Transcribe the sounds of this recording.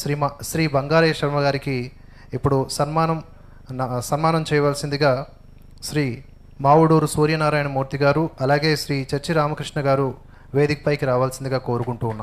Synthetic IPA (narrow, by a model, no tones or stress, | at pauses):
ʃɾimʃɾiːbɐŋɡaːɾɐjɐʂɐɾmɐɡaːɾikiː | pːuɽusɐnmaːnɐm | sɐnmaːnɐmt͡ʃɛːjɐʋaːlsind̪iɡaː | ʃɾiː | maːwuɽoːɾusuːɾjɐnaːɾaːjɐnɐmuːɾt̪iɡaːɾuɐlaːɡe̞ːʃɾiːt͡ʃɐɾt͡ʃiɾaːmɐkɾiʂɳɐɡaːɾu | ʋeːd̪ikɐ̥pɐjkiɾaːʋaːlɐsind̪iɡaːko̞ːɾukuɳʈuːnːa